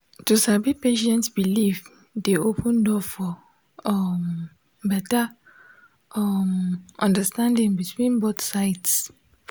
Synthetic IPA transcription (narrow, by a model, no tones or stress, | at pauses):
tusabipeʃɛ̃ntsbilif | deopʰũndɔfɔ | ɔm | bɛta | ɔmʔɔ̃ndəstãndĩŋbitʰwĩnboθsaɪts